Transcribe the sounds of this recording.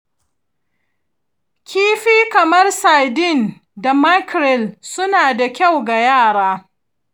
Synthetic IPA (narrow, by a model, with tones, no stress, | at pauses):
kʲiː˦ɸiː˦kɐ˨mɐ˦rsaː˨dɪ˦˨n | da˨ma˦kɾɛ˨lsʊ˦naː˨da˨kʲa˦˨wɡa˨jaː˦˨ɽaː˦